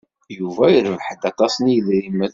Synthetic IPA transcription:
juvæjəɾəvħəd̪ɑt̪ˤɑsˤnijəðɾiməð

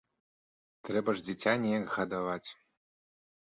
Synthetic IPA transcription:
t̪ɾɛbɐʐd͡zʲit͡sʲanʲɛjaɡɣɐd̪avat͡sʲ

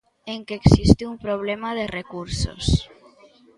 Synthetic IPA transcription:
eŋkeːksist̪iumpɾoβ̞lemaðerekuɾso̰s

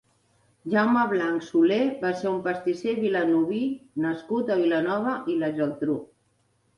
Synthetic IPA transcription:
ʒawməβlaŋksuleβaseumpəst̪iseβilanuβinəskut̪əβilənɔβəʔilaʒəlt̪ɾu

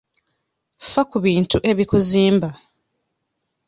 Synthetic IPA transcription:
fakuβiːntuʔe̞βikuziːmba

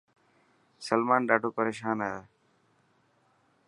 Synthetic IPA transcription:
səlmaːnɖaːɖʱoːpəɾeːʃaːnɦaɦ

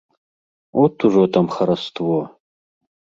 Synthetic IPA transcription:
otʰuʐot̪ʰɐmχɐɾɐst̪ʰvo

